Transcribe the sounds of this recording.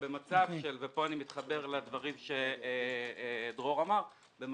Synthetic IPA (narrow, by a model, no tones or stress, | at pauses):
be̞mat͡savʃʃelvepo̞animit̪χabe̞ʁled̪vaʁimʃe̞ | d̪ʁo̞ʁamaʁ | bem